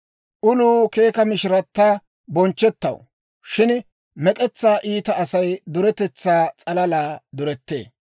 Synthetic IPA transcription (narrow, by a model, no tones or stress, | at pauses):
ʔʊluːke̞ːkɐmɪʃɪɾɐt̪ːaː | bɔnt͡ʃːɛt̪ːɐ̰w | ʃɪn | mɛkʼɛt͡sːaːʔiːt̪ɐʔɐsɐjd̪ʊɾɛt̪ɛt͡sːaːt͡sʼɐlɐlaːd̪ʊɾɛt̪ːḛː